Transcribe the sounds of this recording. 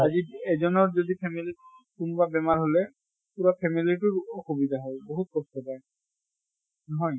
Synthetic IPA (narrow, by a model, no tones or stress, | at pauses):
aziɛzɔnɔɹzodipʰɛmili | kunʊbabɛmaɹɦolɛ | puɹapʰɛmilitʊɹɔxubid̪aɦɔjboɦut̚kɔst̪ɔpaj | nɔɦɔj